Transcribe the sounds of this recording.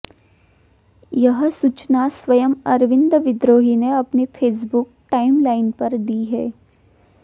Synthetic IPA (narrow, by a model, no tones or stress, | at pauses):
jɐɦsut͡ʃnasʋɐjəmɐɾʋɪ̃nd̪ʋɪd̪ɾoːɦineɐpnefʰeːs̬bʊkʈaːɪmlaːɪnpɐɾd̪iːɦɛː